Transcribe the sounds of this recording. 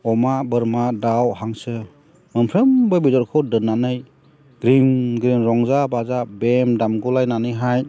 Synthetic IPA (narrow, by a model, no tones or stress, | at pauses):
ɔmabɯɾmadawɦaŋsɯ | mɯmpʰɾɯmbɯbizɔɾkʰɔdɯnːanɯj | ɡ̥ɾimɡɾimɾɔŋzabazabemdamɡulajnanɯjɦaj